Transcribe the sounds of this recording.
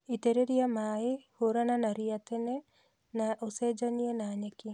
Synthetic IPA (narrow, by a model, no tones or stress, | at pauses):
it̪eɾeɾiamaehoɾananaɾiat̪ɛnɛ | naʔosed͡ʒanienaɲakɪ